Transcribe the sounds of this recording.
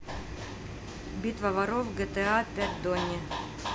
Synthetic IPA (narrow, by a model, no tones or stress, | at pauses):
bʲit̪vɐvɐɾofɡɛt̪ɛapʲæt̚ʲd̪onʲɪ